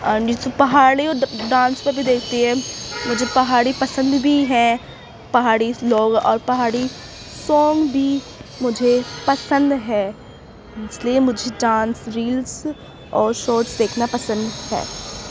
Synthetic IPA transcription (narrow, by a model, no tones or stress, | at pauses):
əd͡ʒɪsopɐɦaːɽiɔːɖãːnspeɾbʱid̪eːk̚ʰt̪iɦɛ̃ːmʊd͡ʒʱepɐɦaːɽipɐsə̃nd̪bʱiɦɛ̃ː | pɐɦaːɽiloːɡɔ̰ːɾpɐɦaːɽi | sɔːŋɡbʱi | mʊd͡ʒʱepɐsə̃nd̪ɦɛː | ɪsliemʊd͡ʒʱeɖãːnsɾiːls | ɔːɾʃɔːɾʈsd̪eːkʰnapɐsə̃nd̪ɦɛ̰ː